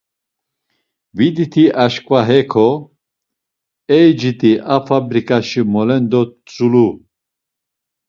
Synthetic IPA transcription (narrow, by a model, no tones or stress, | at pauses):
vid̪it̪ʰiʔaʃkʼvaɦɛkʰɔ | ɛjd͡ʒit̪ʼiʔafʰabɾikʼaʃimɔlɛnd̪ɔt͡sʼulu